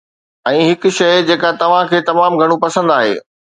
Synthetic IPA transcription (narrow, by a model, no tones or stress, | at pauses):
ɛ̃ːɦɪkʊ̆ʃɐjd͡ʑeːkat̪ɐʋ̤ãkʰeːt̪ɐmaːmɡʱɐɽ̃ũpɐsə̃nd̪aːɦḛː